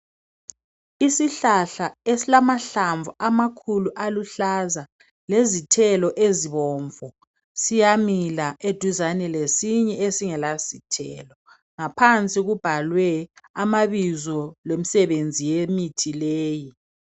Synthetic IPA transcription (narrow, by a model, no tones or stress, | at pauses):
isiɬaɬaesilamaɬaɱvuʔamakʰuluʔaluɬaza | lezitʰɛlɔʔeziβɔːɱvɔ | sijamilaʔed̥ʱuzanɛlesiɲɛesiŋɛlasitʰɛlɔ | ŋapʰant͡sʼiɣub̥ʱalwɛamaβizɔlwem̩sɛβend͡zʱijemitʰileːji